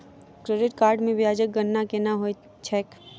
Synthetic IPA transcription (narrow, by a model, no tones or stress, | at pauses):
kɾeɖɪʈkaːɾɖmẽʋjaːd͡ʒək̚ɡənːakenaɦoj | t͡ʃʰɛːk